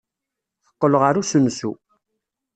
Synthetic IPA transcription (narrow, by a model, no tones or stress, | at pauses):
θə̥qːələʁaɾusəmsu